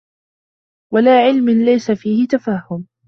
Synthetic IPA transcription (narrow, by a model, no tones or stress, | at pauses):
walaːʕɪlmɪnlajsafiːhɪt̪afaːhːʊm